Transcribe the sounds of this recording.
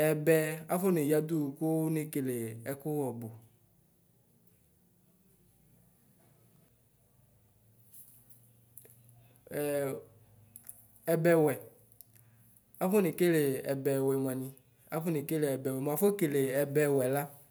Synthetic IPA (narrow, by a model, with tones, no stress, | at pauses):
ɛ˨bɛ˦a˦fo˦ne˨ja˨d̪u˦˨ko˦wne˦ke˨le˨ɛ˨ko˦wɔ˨bo˨ | ɛ˨bɛ˨wɛ˨ | a˦fo˦ne˨ke˦le˨ɛ̰˨bɛ˨wɛ˨m˨a˨nĩ˨ | a˦fo˦ne˨ke˦le˨ɛ˨bɛ˨wɛ˨m˨a˨fo˦ke˨le˨ɛ˨bɛ˨wɛ˨la˦